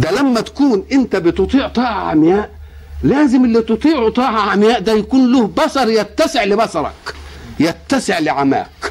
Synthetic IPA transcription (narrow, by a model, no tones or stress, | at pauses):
d̪ælæmːæt̪ḁkuːnʔɪnt̪æbɪt̪ʊt̪ˤiːʕt̪ˤɑːʕɑʕa̰mjaːʔ | læːzɪmʔɪlːit̪ʊt̪ˤiːʕut̪ˤɑːʕaʕamjaːʔd̪æjakuːnlʊhbɑsɑɾˤjat̪ːæsɪʕlɪbɑsɑɾˤɑ̰kjat̪ːasɪʕlɪʕama̰ːk